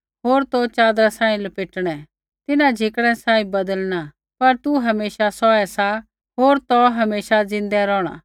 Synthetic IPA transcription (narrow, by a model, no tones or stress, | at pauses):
ɦoːɾt̪ot͡ʃaːd̪ɾasãːĩlɐpɪːʈɽ̃ɛ | t̪ɪnãd͡ʒʱɪkɽ̃ɛ̃sãːĩbɐd̪əlna | pɐɾt̪uɦɐmeːʃasɔɛsa | ɦoːɾt̪ɔɦɐmeːʃad͡zɪ̃nd̪ɛɾɔːɽ̃a̰